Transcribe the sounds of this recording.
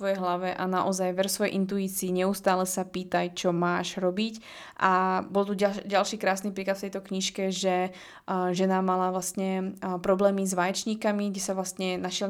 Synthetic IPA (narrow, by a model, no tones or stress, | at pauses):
ʋɔjɛjɦlaʋɛʔanaʔɔzajʋɛɾsʋɔjɛ̰jʔint̪̬uiːt͡siːɲɛust̪aːlɛsapiːt̪ajt͡ʃɔmaːʒɾɔbic | ʔabɔlˠt̪uɟalʃiːkɾaːsnipɾiːklat̪ft̪ɛjt̪ɔkɲiʃkɛʒɛ | ʒɛnamalaʋlast̪ɲɛpɾɔblɛːmizʋaːjɛt͡ʃɲiːkamiɡɟɛsaʋlast̪ɲɛnaʃɪɛl